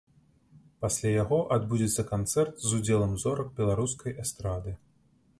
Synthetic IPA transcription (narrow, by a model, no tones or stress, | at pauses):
pasʲlʲajaɣɔʔad̪bud͡zʲɛt̪sːɐkant̪sɛrt̪zud͡zʲɛlˠɐmzɔɾɐk̚bʲɛlˠaɾus̬kɐjʔɛst̪ɾad̪ɨ